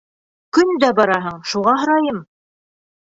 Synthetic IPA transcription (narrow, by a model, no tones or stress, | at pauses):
kɵnd̪æbɑɾɑɦɤɴʃuʁɑɦɤ̆ɾɑjɤm